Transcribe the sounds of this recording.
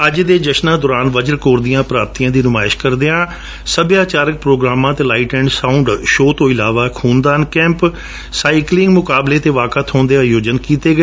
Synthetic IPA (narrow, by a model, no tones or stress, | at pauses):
əd͡ʒd̪eːd͡ʒəʃnãːd̪oːɾaːnʋəd͡ʒəɾkoːɾd̪ɪjãːpɾaːb̚t̪ijãːd̪iːnʊmaːɪʃkəɾd̪eãː | səbjaːt͡ʃaːɾək̚pɾoːɡɾaːmãːt̪eːlaːɪʈɛ̃ːɳɖsãːʊɳɖʃoːt̪õːɪlaːʋaːkʰuːnd̪aːnkɛ̃ːmp | saːiɪklɪ̃ŋɡmʊkaːbleːt̪eːʋaːkət̪ʰɦõːnd̪eːaːjoːd͡ʒənkiːt̪eːɡə